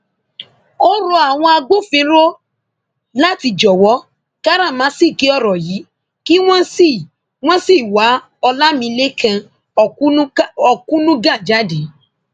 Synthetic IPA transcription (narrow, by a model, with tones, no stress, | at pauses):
o˦ɾo˧a˨w̃ɔ̃˧a˧ɡ͡bo˦fĩ˧˦ɾo˦ | la˦˨ti˧˨d͡ʒɔ˨wɔ˨˦ | ka˦ɾa˦˨mãː˨˦si˦˨ki˨˦ɔ˦˨ɾɔ˨ji˨˦ | ki˦w̃ɔ̃˦si˦˨ | w̃ɔ̃˦si˦˨wa˨˦ | ɔ˧la˦mĩ˧le˦kʰã˧˨˦ | ɔ˧˨kũ˦nũ˦ɡã˦˨d͡ʒa˦de˨˦